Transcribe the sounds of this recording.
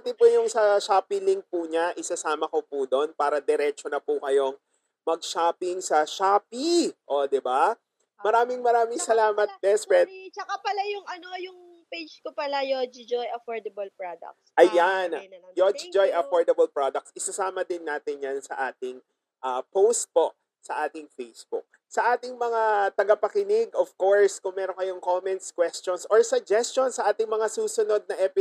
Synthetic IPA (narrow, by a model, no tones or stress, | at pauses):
t̪ɪpujʊŋsɐʃaːpiliŋk̚puɲaʔɪsɐsaːmɐko̞pud̪o̞npaːɾɐd̪ɛɾɛt͡ʃonɐpukɐjo̞ŋ | mɐɡ̚ʃaːpɪŋsɐʃaːpiʔod̪ɪba | mɐɾaːmɪŋmɐɾaːmɪŋsɐlaːmɐt̪̚bɛspɛt̪t͡ʃɐkapɐlajʊŋɐnojʊŋ | pejd͡ʒkopɐlajod͡ʒid͡ʒojɐfɔɹd̪ɐbɐlpɹod̪ɐ̰k̚sʔɐjanjod͡ʒɪd͡ʒojʔɐfoɹd̪ɐbɐlpɹod̪ɐk̚sʔɪsɐsaːmɐd̪ɪnːaːt̪ɪnjɐnsɐ̰ʔaːt̪ɪŋ | ʔɐːpowst̪̚po̞ | sɐʔaːt̪ɪŋfejsbʊ̰k̚ | sɐʔaːt̪ɪŋmɐŋat̪ɐɡɐpɐkɪnɪɡov̥koɹskʊŋmɛːɾonkɐjoŋkomɛnt̪skwɛst͡ʃonsʔoɹsɐɡ̚d͡ʒɛst͡ʃonsɐʔaːt̪ɪŋmɐŋasuːsʊno̞d̪̚nɐʔɛpɪ